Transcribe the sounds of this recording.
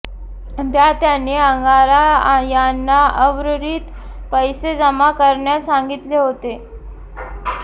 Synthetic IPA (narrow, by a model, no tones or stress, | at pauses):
d̪jat̪janːeəŋɡaɾajanːaəʋɾəɾiːt̪ | pəjsed͡zəmakəɾɳjasaŋɡit̪leɦot̪e